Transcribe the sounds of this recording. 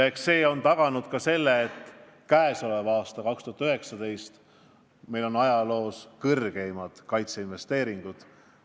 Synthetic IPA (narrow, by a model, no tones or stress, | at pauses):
ekse̞ːo̞nt̪ɑɡ̥ɑnud̪̥kɑse̞lːeːt̪ːˑ | kæeso̞levɑːst̪ɑkɑkst̪uhɑt̪yøɦe̞ksɑd̪e̞jst̪ | me̞jlo̞nɑjɑlo̞ːskɤrɡ̥e̞jmɑd̪̥kɑjt̪seinve̞st̪e̞ːɾiŋɡ̥ud̪̥